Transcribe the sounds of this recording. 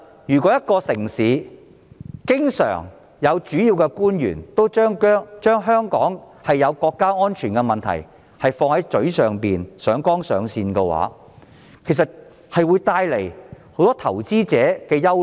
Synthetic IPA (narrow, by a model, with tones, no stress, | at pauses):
jyː˨˩kɔ˨˥jɐ˥t̚kɔː˧sɪ˨˩ŋsiː˨˧˦ | kɪ˥ŋsœ̰ː˨˩ŋ | jɐ˨˧wt͡ʃyː˨˥jiː˧wkɛ˧kuː˥njy̰ː˨˩nt̪o˥wt͡ʃœː˥ŋkœː˥ŋt͡ʃœː˥ŋɦœː˥ŋkɔː˨˥ŋ | hɐ˨jːɐ˨˧wkɔː˧kːaː˥ŋɔː˥nt͡ʃʰyː˨˩nkɛ˧mɐ˨nt̪ʰɐ̰˨˩j | hɐ˨jfɔː˧ŋhɐ˨˥jt͡ʃɵ˨˥ɥsœː˨ŋpiː˨nsœː˨˥ŋkɔː˥ŋsœː˨˧ŋsiː˧nkɛ˧wa̰ː˨˥ | kʰe˨˩jsɐ˨t̚ | hɐ˨jwu˨˧jt̪aː˧jle˨˩jho˨˥wt̪ɔː˥t̪ʰɐ˨˩wt͡siː˥t͡sɛː˨˥kɛː˧jɐ˥w